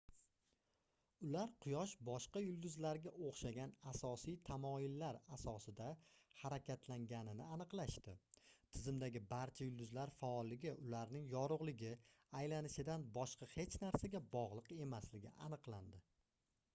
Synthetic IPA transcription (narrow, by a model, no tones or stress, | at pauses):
ʊlaɾqʰʊjɒʃbɒʃqɑjʊlˠd̪ʊzlaɾɡʲaʔoχʃaɡʲanasɒsijt̪ʰamɒjɪlːaɾasɒsɪd̪ahaɾakʲʰat̪ʰlaŋɡʲanɪnɪanɨqlˠaʃt̪ɪt̪ʰɪzɪmd̪aɡʲɪbaɾt͡ʃʰajʊlˠd̪ʊzlaɾfaɒlˠːɪɡʲɪʔʊlaɾnɪŋjɒɾʊʁlˠɪɡʲɪ | ajlanɪʃɪd̪anbɒʃqʰɑhe̞t͡ʃnaɾsaɡʲabɒʁlˠɨqe̞maslɪɡʲɪ̰ʔanɨqlˠand̪ɪ